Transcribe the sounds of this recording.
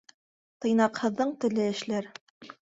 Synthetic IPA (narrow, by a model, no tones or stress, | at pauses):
t̪ɤ̆jnɑqhɤ̆ðːɤɴt̪ɘ̆lɘɘ̆ʃlæɾ